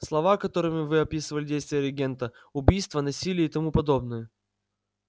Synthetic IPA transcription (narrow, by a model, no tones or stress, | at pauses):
slˠɐvakɐt̪o̞ɾɨmʲɪvɨɐpʲisɨvəlʲɪdʲejst̪vʲɪjəɾʲɪɡʲent̪ə | ʊbʲijst̪vənɐsʲilʲɪjəit̪ɐmupɐd̪o̞bnɨjə